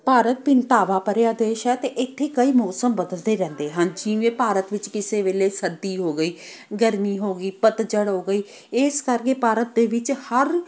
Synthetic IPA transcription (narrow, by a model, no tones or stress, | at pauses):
paːɾət̪̚pɪnt̪aːʋaːpəɾeaːd̪eːʃɛːt̪eːʔɪt̪ʰːeːkəiːmɔːsəmbəd̪əld̪eːɾɛ̃ːnd̪eːɦãnd͡ʒĩːʋẽːpaːɾət̪ʋɪt͡ʃkɪseːʋeːleːsəd̪ːiːɦoːɡəiː | ɡəɾmiːɦoːɡəiːpət̪d͡ʒəɽɦoːɡəiː | ɪskəɾkeːpaːɾət̪̚d̪eːʋɪt͡ʃhəɾ